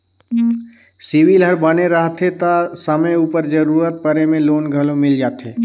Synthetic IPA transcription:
siʋilɦəɾbəneɾəɦt̪ʰet̪asəməuːpəɾd͡ʒəɾuːɾət̪̚pəɾemẽloːnɡʱəlomɪld͡ʒaːt̪eː

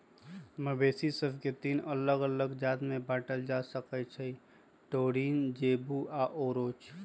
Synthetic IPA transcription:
məbeːsisəbket̪iːnələɡələɡd͡ʒaːd̪mẽbaːʈəld͡ʒasəkət͡ʃʰəi | ʈoːɽiːnd͡ʒeːbuʔaːʔoːɾoːt͡ʃ

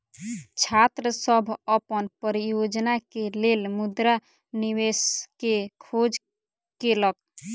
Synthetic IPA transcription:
t͡ʃʰat̪ɾəsəbʱəpənpəɾijod͡ʒnakelelmud̪ɾa | niweskekʰod͡ʒ | kelək̚

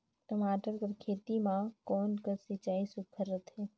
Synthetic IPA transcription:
ʈəmaːʈəɾkəɾkʰeːt̪imãkɔːnkəsit͡ʃaːisʊkʰəɾːət̪ɦɛː

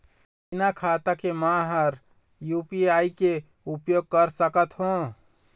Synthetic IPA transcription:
inakʰat̪akemãɦəɾ | jupiaike | upjoɡ̚kəɾsəkət̪ɦũ

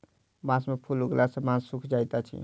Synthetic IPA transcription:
bãsmepʰulɦuɡlasəmãsukʰd͡ʒajt̪at͡ʃʰḭ

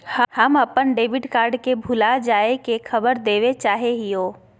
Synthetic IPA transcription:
həməpənɖeːbɪɖkaːɾɖkebʱʊlad͡ʒaːekekʰəbəɾd̪eːʋet͡ʃaːɦeɦijoː

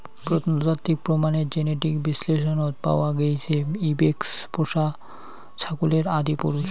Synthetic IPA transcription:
pɾot̪nd͡ʑat̪ːik̚pɾomaneɾd͡ʑeneʈikbisleʃ̬onot̪pa̰oaɡejt͡ɕʰeibekspoʃa | t͡ɕʰakuleɾad̪ipo̰ɾuʃ

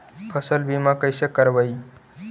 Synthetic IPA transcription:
pʰəsəlbimakəjsekəɾʋəi

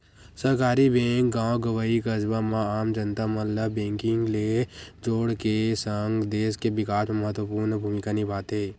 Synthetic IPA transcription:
səɾkaːɾibẽːŋk̚ɡãːõɡəʋaikəd͡ʒbamãaːmd͡ʒənt̪amɐ̃ləbẽːŋkɪŋɡled͡ʒoːɽkesəŋɡd̪eːskeʋɪkaːsmmɐɦət̪wəpuːɾnəbʱuːmɪkanibʱaːt̪ɦeː

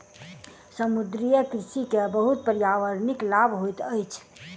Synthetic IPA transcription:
səmud̪ɾijəkɾisikebəɦut̪̚pəɾjaʋəɾniklabʱɦojt̪əjt͡ʃʰ

